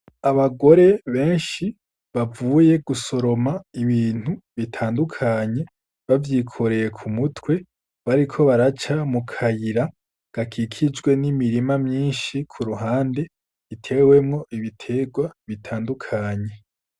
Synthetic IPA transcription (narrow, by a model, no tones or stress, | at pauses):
aβaɡo̞ɾe̞βe̞ːnʃi | βavuːje̞ɡ̥uso̞ɾo̞maiβiːn̥huβitʰaːndukʰaɲe̞ | βavjiːkʰo̞ɾe̞je̞kʰumutwe̞ | βaɾikʰo̞βaɾat͡ʃamukʰajiɾa | ɡ̥akʰikʰid͡ʒɡwe̞nimiɾimamɲiːnʃikʰuɾuɦaːnde̞ | itʰe̞ːwe̞mŋo̞ʔiβitʰe̞ɡwaβitʰaːndukʰaːɲe̞